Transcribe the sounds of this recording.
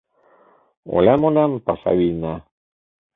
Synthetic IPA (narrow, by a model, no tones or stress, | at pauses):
o̰lamolampasa̰βina